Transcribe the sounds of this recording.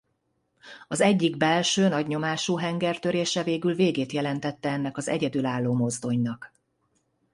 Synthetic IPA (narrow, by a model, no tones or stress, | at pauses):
ɒzɛɟːiɡbɛlʃøːnɒɟɲo̞maːʃuːɦɛŋɡɛrt̪ø̞ɾeːʃɛveːɡylveːɡeːt̪jɛlɛnt̪ɛt̪ːɛɛnːɛkɒzɛ̰ɟɛd̪ylaːlːoːmo̞zd̪o̞ɲnɒk